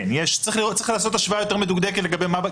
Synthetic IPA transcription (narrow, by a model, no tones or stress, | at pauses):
njeʃt͡sʁiχliot̪t͡sːʁiχlaːso̞t̪aʃvaajo̞t̪e̞ʁmed̪uɡd̪e̞ket̪leɡabejmab